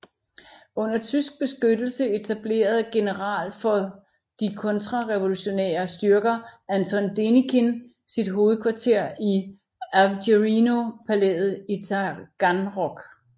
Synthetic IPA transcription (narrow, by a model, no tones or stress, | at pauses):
ɔ̽n̰ɐt͡sʰysɡ̥̚b̥e̝sɡ̥ød̥l̩səe̝t͡sʰæb̥le̝̰ːɐð̞ˠɡ̥e̝nəʁɑ̰̈ːlfɒ̽ | d̥ikʰɔ̽nt͡sʰʁɑ̈ʁeʋo̝luɕo̝nḛːɐsd̥ɶɐɡ̥ɐænt͡sʰɔ̽nd̥e̝nikʰen | sid̥ɦo̝ːð̩ˠkʰʋɑ̈t͡sʰe̝ɐ̰i | æɡeʁino̝pʰæled̥ð̩ˠit͡sʰɑɡ̥ɑnʁɒɡ̥